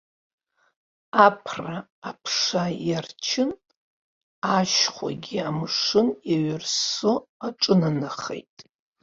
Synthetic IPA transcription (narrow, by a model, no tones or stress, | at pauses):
apʰraː | pʰʂajart͡ʃʰɪn | aʃχʷa̰ɡʲiamʂɨnaɥɪrsoaʈ͡ʂʼɨnanaχḛjtʼ